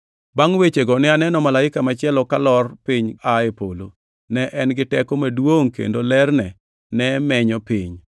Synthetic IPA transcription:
baŋwet͡ʃeɡɔnɪanɛnɔmalaɪkamat͡ʃɪɛlɔkalɔrpɪɲaɛpo̰lo̰ | nɛʔɛnɡɪtɛkomadwoŋkḛndolɛrnɛ | nɛmɛɲɔpɪɲ

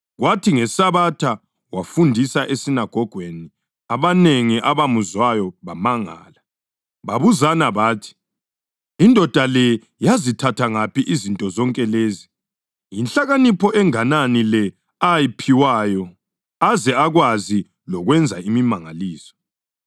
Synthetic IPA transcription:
ɣwatʰiŋɛsaβatʰa | wafundʱisaʔesinaɡ̥ʱɔɡ̥ʱweni | aβaneŋiʔaβamuzwajɔβamaŋa̰ːla | βaβuzanaβaːtʰi̥ | indʱɔd̥ʱalɛ | jazitʰatʰaŋapiʔizintʼɔzɔŋkʼɛleːzi | jinɬaɣanipʰɔʔɛŋananilɛ | ajipʰiwaːjɔ | azɛaɣwazi | lɔɣwɛnd͡zʱaimimaŋaliːsɔ̥

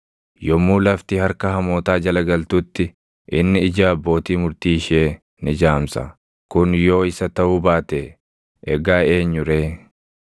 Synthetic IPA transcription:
jɔmːuːlɐft̪ɪhɐɾkɐɦɐmoːt̪aːd͡ʒɐlɐɡɐlt̪ut̪ːɪ | ʔɪnːɪɪd͡ʒaːɐbːo̞ːt̪iːmʊɾt̪iːʃeː | nɪd͡ʒaːmsɐ̰ | kʊnjo̞ːɪsɐt̪ɐʔuːbaːt̪e | ʔɛɡaːe̞ːɲːʊɾeː

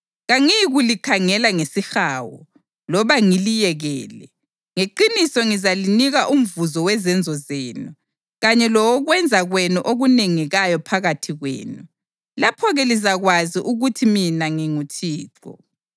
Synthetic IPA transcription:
ɣaŋiɣulikʰaŋɛlaŋesixaːwɔ̰ | lɔβaŋilijɛɣɛːlɛ | ŋeǃinisɔŋizaliniɣaʔum̩vuzɔwɛzɛnd͡zʱɔzeːnu | ɣaɲɛlɔwɔɣwɛnd͡zʱaɣwenuʔoɣuneŋiɣajɔpʰaɣatʰiɣwḛːnu | lapʰɔɣɛlizaɣwaziʔuɣutʰiminaŋiŋutʰiːǁɔ̰

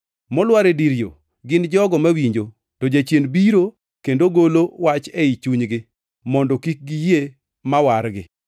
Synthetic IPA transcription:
mɔlwaɾediɾjo̰ | ɡɪnd͡ʒɔɡɔmawiɲd͡ʒo | tɔd͡ʒat͡ʃjenbiɾo | kendoɡolowat͡ʃɛit͡ʃuɲɡɪ | mɔndɔkik̚ɡije | mawaɾɡɪ̰

